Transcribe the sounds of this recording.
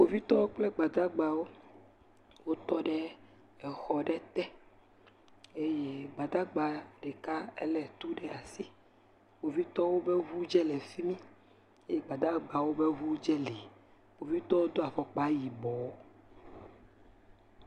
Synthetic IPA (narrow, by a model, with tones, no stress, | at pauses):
wo˨vi˦t̪ɔ˦wo˦k͡plɛ˦ɡ͡ba˨d̪a˦ɡ͡ba˨wo˦ | wo˦t̪ɔ˦ɖɛ˦ | ɛ˨xɔ˨ɖɛ˦t̪ɛ˦ | e˦je˦ɡ͡ba˨d̪a˦ɡ͡ba˨ɖɛ˨ka˦ɛ̰˦lɛ˨t̪u˦ɖɛ˦a˨si˦ | wo˨vi˦t̪ɔ˦wo˦bɛ˦ɦu˦d͡ʒɛ˦lɛ˨fi˦mĩ˦ | e˦je˦ɡ͡ba˨d̪a˦ɡ͡ba˨wo˦bɛ˦ɦu˦d͡ʒɛ˦le˨ | o˨vi˦t̪ɔ˦wo˦d̪o˦a˨vɔ˨k͡pa˦ji˨bɔ˨˦